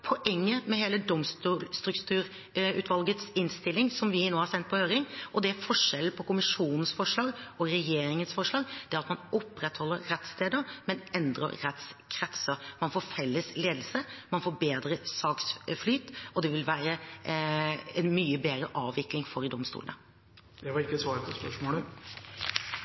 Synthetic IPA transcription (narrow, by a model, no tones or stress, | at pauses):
pʰɔʔɛŋːəmɛheːləd̪ɔmst̪uːlst̪ɾʉkt̪ʰʉːɾ | ʉ̰ːt̪ʰʋɑlɡət̪sɪnst̪ɪlːɪŋsɔmʋɪnoːhɑɾsɛnt̪̚pʰɔhøːɾɪŋʔɔd̪ɛæfɔʂɛl̩pʰɔkʊmɪʂuːnən̩sfɔʂɭɑːɡɔɾɛjeːɾɪŋənsfɔʂɭɑːɡd̪̥ɛæɾɑt̪mɑnɔpːɾɛt̪hɔlːəɾːɛt̪st̪ʰeːd̪əɾmɛnɛnd̪ɾə̰ɾɾɛt̪skʰɾɛt̪səɾmɑnfoːɾfɛlːəsleːd̪l̩səmɑnfoːɾbeːd̪ɾəsɑːksflyːt̪ɔd̪ɛʋɪlʋæːɾə | ɛnmyːəbeːɾəʔɑːʋːɪklɪŋfɔɾd̪ɔmst̪ṵlənə̰ | d̪ɛʋɑɾɪkːəsʋɑːɾpʰɔspœʂmoːlə